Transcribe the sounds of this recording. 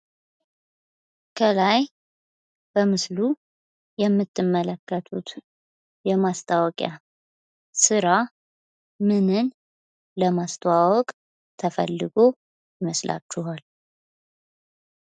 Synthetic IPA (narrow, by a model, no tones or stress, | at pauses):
kʰəlaj | b̥əmɨslu | jɛmːɨt̪ːɨmːələkːət̪ʰut̪ | jɛmast̪ʰʼawɔkʼja | sɨɾa | mɨnɨn | ləmast̪ʰəwawɔkʼ | t̪ʰəfə̰lːɨɡo̞ | jɪməslʔa̰t͡ʃːuɦal